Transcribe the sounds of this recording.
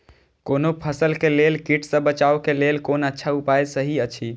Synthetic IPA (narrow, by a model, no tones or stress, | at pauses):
konopʰəsəlkelelkiʈʰsə̃bət͡ʃaokelelkonətːʃʰaupajsəɦiət͡ʃʰi